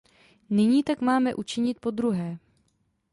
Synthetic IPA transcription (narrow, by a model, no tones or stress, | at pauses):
nɪɲiːt̪akmaːmɛʔut͡ʃɪɲɪt̪̚po̞d̪ɾuɦɛː